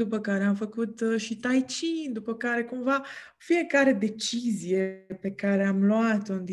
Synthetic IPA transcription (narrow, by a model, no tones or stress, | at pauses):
d̪upəkaɾe̞amfəkut̪ʃit̪ajt͡ʃind̪upəkaɾe̞kumva | fije̞kaɾe̞d̪e̞t͡ʃizije̞pe̞kaɾe̞amluat̪nd̪i